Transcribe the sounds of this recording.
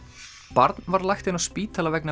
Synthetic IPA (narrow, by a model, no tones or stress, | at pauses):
paɾt̪nvaɾlajxt̪ɪnaspiːt̪ʰalavɛkna